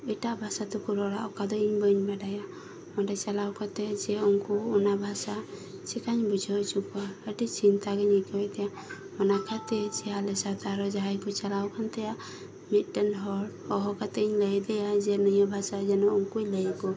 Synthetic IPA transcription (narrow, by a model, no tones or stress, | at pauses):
əjʈabʱasat̪ukuɾɔɽaʔɔkad̪ɔiɲbəɲbaɖaja | mɔɖɛt͡ʃalawkʰat̪ɛd͡ʒɛɔŋkɔːnabʱasa | t͡ʃɛkaɲbud͡ʒʱɔt͡ʃukaəʈit͡ʃint̪aɡɛɲəjkɔɛjd̪ɛja | mɔnakʰat̪ɛt͡ʃɛalɛsat̪aɾɔd͡ʒaɦajkɔt͡ʃalawkʰant̪ɛjaʔ | mit̪̚ˀʈənɦɔɽɔɦɔkat̪ɛiɲləjd̪ɛjad͡ʒɛnəjəbʱasad͡ʒɛnɔʔɔŋkujləjkɔ